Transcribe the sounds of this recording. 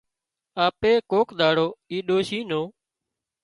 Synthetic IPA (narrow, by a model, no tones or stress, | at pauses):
aːpeːkoːkɗ̪aːɽoːiːɗoːʃiːnoː